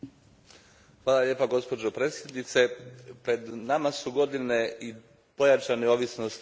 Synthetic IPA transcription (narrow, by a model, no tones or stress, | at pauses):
xʋaːlˠalʲje̞ːpaɡo̞spo̞d͡ʒopɾe̞sjed̪nit̪sepɾe̞d̪namasuɡo̞d̪inei | po̞jat͡ʃaneo̞ʋisnost̪